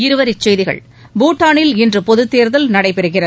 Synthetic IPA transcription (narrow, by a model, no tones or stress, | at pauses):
ɪɾɯʋɐɾɪt͡ʃːɛjðɪɣɐ̰ɭ | buːʈːaːɳɪlɪndrɯpɔðɯt̪ːeːɾðɐlnɐɽɐɪpɛɾɯɣɪrɐ